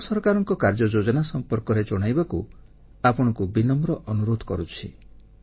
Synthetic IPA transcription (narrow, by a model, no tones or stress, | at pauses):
sɔɾkaɾɔŋkɔkaɾd͡ʒɔd͡ʒod͡ʒɔnasɔmpɔɾkɔɾed͡ʒɔɽ̃ajbaku | apɔɽ̃ɔ̃ŋkubinɔmɾɔʔɔnuɾod̪ʱɔkɔɾut͡ʃʰḭ